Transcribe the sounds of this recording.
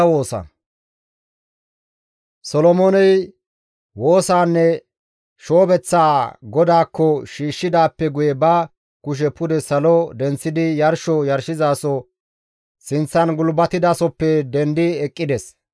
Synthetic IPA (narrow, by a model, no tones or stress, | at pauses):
wo̞ːsɐ̰ | sɔlɔmɔnɛj | wo̞ːsaːnːɛ | ʃo̞ːbɛt͡sːaːɡɔd̪aːkːɔʃiːʃːɪd̪aːpːɛɡʊjɛbɐ | kʊʃ̬ɛpʊd̪ɛsɐlɔd̪ɛnt͡sːɪd̪ɪjɐɾʃɔjɐɾʃɪzaːsɔ | sɪnt͡sːɐnɡʊlbɐt̪ɪd̪aːsɔpːɛd̪ɛnd̪ɪɛkʼːɪd̪ɛs